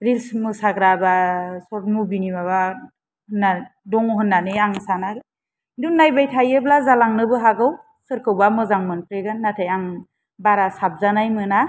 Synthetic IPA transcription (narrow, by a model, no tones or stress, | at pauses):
ɾilsmɯsaɡɾabasɔt̚mubinibaβa | hɯnːadɔŋɦɯnːanɯaŋsana | duŋnajbajtʰajɯblazalaŋnɯbɯɦaɡɯw | sɯɾkʰɯwbamɯzaŋmɯnpʰɾeɡɯnːatʰajaŋ | baɾasap̚zanajmɯna